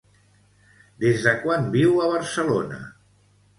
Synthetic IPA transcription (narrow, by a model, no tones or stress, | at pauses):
d̪ezðəkwambiwəβ̞əɾsəlonə̰